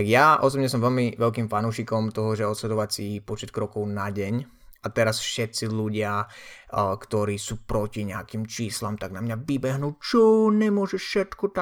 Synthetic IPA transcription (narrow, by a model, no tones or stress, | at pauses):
t̪aɡjaʔɔsɔbɲɛsɔmʋɛlmiʋɛlkiːmfanuːʃikɔmt̪ɔɦɔʒɛɔt̪slɛd̪ɔʋat͡sipɔt͡ʃɛt̪̚kɾɔkɔʊnaɟɛɲ | at̪ɛɾasfʃɛt̪t͡siʎuɟɪa | kt̪ɔɾiːsuːpɾɔciɲɛakimt͡ʃiːslamt̪aɡnamɲaʋibɛɦnuːt͡ʃɔɲɛmʊɔʒɛfʃɛt̪kɔt̪a